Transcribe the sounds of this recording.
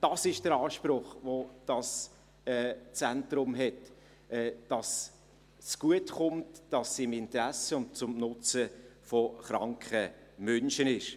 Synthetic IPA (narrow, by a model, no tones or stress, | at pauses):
d̥ɑsɪʃd̥əɾɑːʃpɾʊχvod̥ɑs | ɛːt͡sɛntɾʊmɦɛt | ɛd̥ɑs | t͡skuətχʊmtd̥ɑsːiɪmɪntɾæsəʊntt͡sʊmnʊt͡səfɔχɾɑŋkχəmœnʃənɪʃ